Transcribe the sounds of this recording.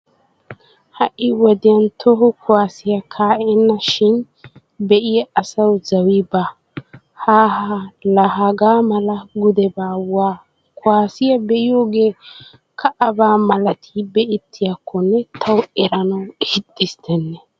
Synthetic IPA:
hɐʔːɪwɔd̪ɪjɐnt̪ʰɔɦɔkʰʊwaːsɪjɐkʰaːʔɛnːɐʃɪn | bɛʔɪjɛɐsɐwzɐwibɐ | haːhalɐɦaɡaːmɐlɐɡʊd̪ɛbaːwaː | kʊwaːsɪjɐbɛʔɪjoːɡe̞ː | kʰɐʔɐbaːmɐlɐt̪ʰibɛʔɪt̪ʰːɪjakʰːɔnːɛt̪ʰɐwɛɾɐnɐwhɪt̪ʼːɪst̪ʰɛnːɛ

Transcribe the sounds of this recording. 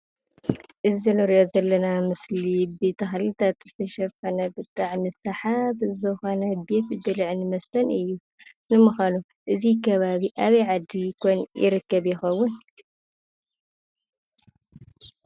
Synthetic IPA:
ʔɨzinɨɾʔozɐlːɐnamɨslibe̞t̪ʰɐxlit̪ʰat̪zɨt̪ʰɐʃɐfɐnɐbɨt̪ʼaʕnɨsɐħabɨzɨxo̞nɐbe̞t̪ɨd̪ɐlʕnɨmɐsɐnʔɨjːu | nɨmɨxanu | ʔɨzikʰɐβaβiʔaβɐjʕad̪ːikʰonjɪ̰ɾɨkːɐβjɪxɐwːʊn

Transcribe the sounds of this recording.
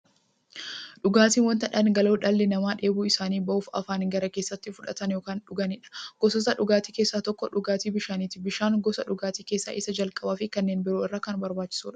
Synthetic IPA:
ᶑʊɡaːt̪iːnwɐnt̪ɐᶑɐnɡɐloːᶑɐlːɛnɐmaːᶑe̞ːbuːɪsaːniːbɐʔuːfɐ̰faːnɡɐɾɐke̞ːsːɐt̪ːɪfʊᶑɐt̪ɐnjoːkaːnᶑʊɡɐnɪᶑɐ̥ɡ̥ɔsɔsɐᶑʊɡaːt̪iːkeːsːaːt̪ɔkːɔᶑʊɡaːt̪iːbɪʃaːniːt̪ɪbɪʃaːŋɡɔsɐʊɡaːt̪iːkeːsːa̰ːʔɪsɐd͡ʒɐlkʼɐbaːfɪkɐnːeːnbɪɾoːɪrːaːkɐnbɐɾbaːt͡ʃːɪ̥suːᶑɐ̥

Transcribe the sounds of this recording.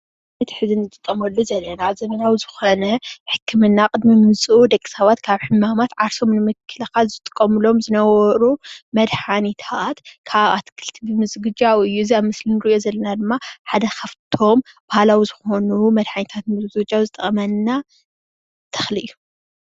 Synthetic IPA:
nɐt̪ʰħɨzɨnzɨt̪ʼɨkʼːɐmɐlːuzɐlːɐnazɐmɐnawizɨxonɐħɨkʰːɨmɨnːaqʼɨd̪mimɨsʼuʔud̪ɐkʼːi̥sɐβat̪kʰaβħɨmːamat̪ʕaɾso̞mnɨmɨkʰːɨlɐkazɨt̪ʼɨkʼːɐmɨlo̞mzɨnɐwɔɾumɐd̪ħanit̪ʰat̪kʰaβat̪kʰɨlt̪ʰibɨmɨzɡɨd͡ʒawɨjːuziaβmɨslinɨɾijo̞zɐlːɐnad̪ɨmːaħad̪ɐxɐft̪ʰo̞m | bahalawizɨxo̞numɐd̪ħanit̪ʰat̪mɨzzɡɨd͡ʒawzɨt̪ʼɐkʼɐmɐnːa | t̪ʰɐ̥xlɨjːu

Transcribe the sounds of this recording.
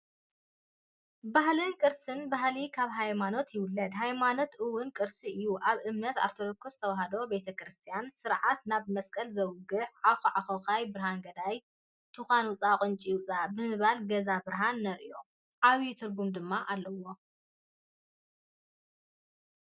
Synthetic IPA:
bahlɨnkʼɨɾsɨnbahlikʰaβɦajmano̞t̪jɪwʊlːɐd̪ɦajmano̞t̪ʔɨwʊnkʼɨɾsiʔɨjːuʔaβɨmnɐt̪a̰ɾt̪ʰoɾokʰost̪ʰɐwaɦɐd̪o̞be̞t̪ʰɐkɾɨst̪ʰijansɨɾʕat̪naβmɐskʼɐlzɐwɡɨħʕaxuʕaxoxajbɨɾɦaŋɡɐd̪aj | t̪ʰɨxʷanwʊt͡sʼaqʼɨnt͡ʃʼiwʊt͡sʼabɨmɨβalɡɐzabɨɾɦanːɐɾio | ʕaβit̪ʰɨɾɡumd̪ɨmːaʔalːɐwo̞

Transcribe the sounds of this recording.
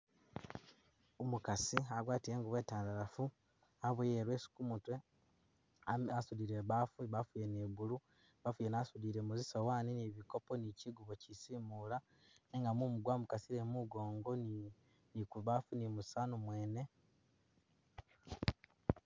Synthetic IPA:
omukasiaɡwaːtiɾeːŋɡuβweːtaːndaɾafu | aβujeɾwe̞ːsu̥kumutwe | aasuliɾe̞βafuβafujeneβulu | βafujenasuliɾemuzisowaːniniβiko̞po̞niciɡuβocisimula | neŋɡamumuɡwamukasiɾemuɡo̞ːŋɡo | nikuβafunimusanomwe̞ːne̞

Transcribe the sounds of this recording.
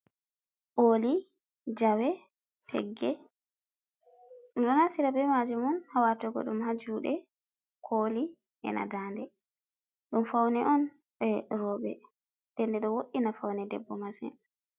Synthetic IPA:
ʔoli | d͡ʒawɛ | tʰɛ̰ɡːɛ | ɗumɗɔnasiɾabɛmad͡ʒumɔnhawatɔɡɔ̰ɗumhad͡ʒuːɗɛ | kʰoli | ʔɛ̰nʔa̰daːndɛ | ɗumfawnɛʔɔn | ɓɛɾɔɓɛ | d̥ɛndɛɗɔwoɗːinafawnɛdɛbːɔmasɛ̰n

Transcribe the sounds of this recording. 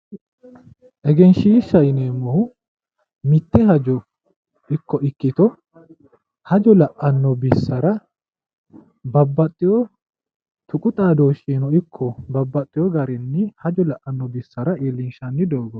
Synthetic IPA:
ʔɛɡɛnʃiːʃɐjɪneːmːoː | mɪt̪ːɛɦɐd͡ʒɔ | ɪkːɔʔɪkːɪt̪ɔ | hɐd͡ʒɔlɐʔɐnːɔbɪsːɐɾɐ | bɐbːɐt̪ʼːɪjɔ | t̪ʊkʼʊt̪ʼaːd̪oːʃiːnɔɪkʰːɔbɐbːɐt̪ʼːɪjɔɡɐɾɛnːɪhɐd͡ʒɔlɐʔʔɐnːɔbɪsːɐɾɐeːlːɪnʃɐnːɪd̪oːɡɔ

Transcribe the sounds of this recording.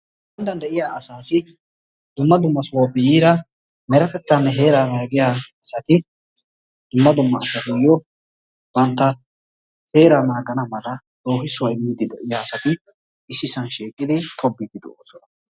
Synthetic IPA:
bɐnd̪ɐnd̪ɛʔɪjaːʔɐsaːsɪ | d̪ʊmːɐd̪ʊmːɐsʊwabɪjiːɾɐ | mɛɾɐt̪ɛt̪ːɐnːɛɦe̞ːɾaːnaːɡɪjaːɐsɐt̪ɪ | d̪̥ʊmːɐd̪ʊmːɐːsɐt̪ɪjɔ | bɐnt̪ːɐ | he̞ːɾanaːɡɐnɐmɐlɐ | d̪̥o̞ːɦɪsʊwɐɪmːɪd̪ɪd̪ɛʔɪjaːsɐt̪ɪ | ɪsɪsɐnʃiːkʼːɪd̪ɪt̪ʰʼɔbːɪd̪ɪd̪ɛʔo̰ːsɔnɐ

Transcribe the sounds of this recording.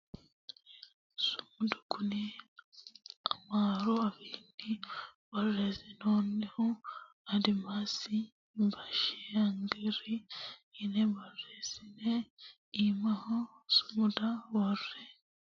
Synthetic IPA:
sumudukuni | amaːɾoaβindi | βaɾɾezinoneho | adimasi | mbaʃeaŋɡeɾiinebaɾɾezine | imaho | sumudaβoɾɾe

